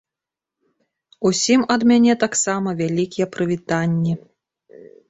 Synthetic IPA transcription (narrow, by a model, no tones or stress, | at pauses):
usʲimɐd̪mʲanʲɛt̪aksamɐvʲalʲikʲijɛpɾɨvʲit̪anʲːi